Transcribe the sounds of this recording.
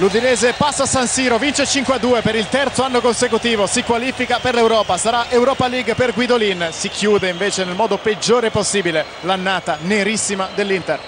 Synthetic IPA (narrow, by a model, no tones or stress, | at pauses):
lud̪ineːzepasːasansiːɾovint͡ʃet͡ʃiŋkwead̪ːuːepeɾilt̪ɛrt̪soanːokonsekut̪iːvosikwaliːfikaperlewɾɔːpasaɾaʔewɾɔːpaliɡperɡwid̪olinsikʰjuːd̪eiɱveːt͡ʃenelmɔːd̪oped͡ʒːoːɾeposːiːbile | lanːaːt̪aneɾisːimad̪elːint̪er